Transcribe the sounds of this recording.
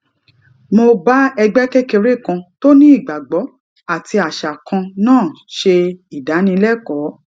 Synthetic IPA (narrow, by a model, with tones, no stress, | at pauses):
mo˧ba˦ɛ˧ɡ͡bɛ˦kɛ˦ke˧ɾe˦˨kã˧to˦nĩ˦i˦˨ɡ͡ba˨ɡ͡bɔ˨˦ | a˦˨ti˧a˨ʃa˨kã˧nãː˦˨ | ʃe˧i˨da˨˦nĩ˧lɛ˦kɔ˨˦